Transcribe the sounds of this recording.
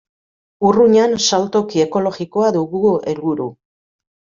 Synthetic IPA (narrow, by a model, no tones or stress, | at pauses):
uruɲansalt̪o̞kie̞ko̞lo̞ɣiko̞aðuɣue̞lβuɾu